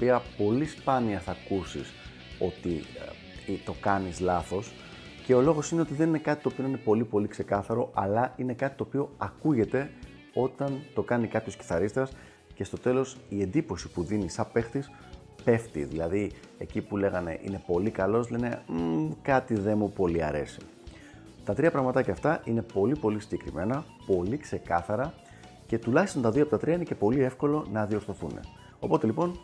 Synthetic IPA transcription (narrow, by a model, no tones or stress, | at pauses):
opiɐpo̞lispɐniɐsθɐkusḭs | o̞t̪i | t̪o̞kɐnizlɐθo̞s | ce̞o̞lo̞ɣo̞sine̞o̞t̪iðe̞nine̞kɐt̪it̪opio̞nɐinepo̞lipo̞likse̞kɐθɐɾo̞ʔɐlɐine̞kɐt̪i̥t̪o̞ːpio̞ɐkuʝe̞t̪e̞ | o̞t̪ɐnt̪o̞kɐnikɐpçosci̥θɐɾist̪ɾɐs | ce̞st̪o̞t̪e̞lo̞sie̞nd̪ipo̞si̥puðinisɐpe̞xt̪is | pe̞ft̪ḭðilɐðiḛcipule̞ɣɐne̞̰ʔḭne̞po̞likɐlo̞zle̞ne̞kɐt̪iðe̞mupo̞liɐ̰ɾe̞̰si̥ | t̪ɐt̪ɾiɐpɾɐɣmɐt̪ɐceɐft̪ɐʔine̞po̞lipo̞lisiɲɟe̞kɾime̞nɐpo̞likse̞kɐθɐɾɐ | ce̞t̪ulɐçist̪o̞nt̪ɐðiopot̪ɐt̪ɾiɐinece̞po̞lie̞fko̞lo̞nɐðio̞ɾθo̞θune̞̰ | o̞po̞t̪e̞lipo̞n